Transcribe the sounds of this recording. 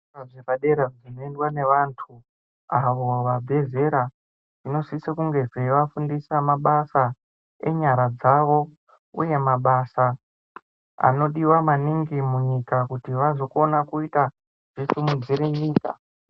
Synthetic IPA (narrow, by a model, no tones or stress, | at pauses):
ʐeraɗe̞ɾad͡zino̞endwane̞ʋantʰu | aʋo̞ʋabʱe̞ze̞ɾa | ʐino̞sisekuŋɡe̞ʐeʋafundisamaɓasa | e̞̰ɲaɾad͡zaʋo̞ | ṵje̞maɓasa | a̰no̞ɗiwamaniŋɡimuɲikakutiʋazo̞ko̞nakuita | ʐ̥isumud͡ziɾeɲiːka̰